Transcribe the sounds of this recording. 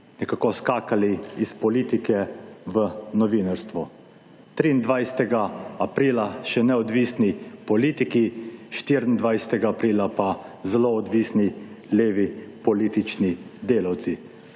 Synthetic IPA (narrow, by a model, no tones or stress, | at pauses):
nɛkaːkɔskaːkaliispɔliːt̪ikɛʋənɔʋinaɾst̪ʋɔ | t̪ɾind̪ʋajsɛ̥t̪ɛɡaapɾiːlaʃɛnɛɔd̪ʋiːsnipɔliːt̪ikiʃt̪iɾind̪ʋajsɛ̥t̪ɛɡaːpɾiːlapazɛloːd̪ʋiːsnileːʋipɔliːt̪it͡ʃnid̪eːlawt̪si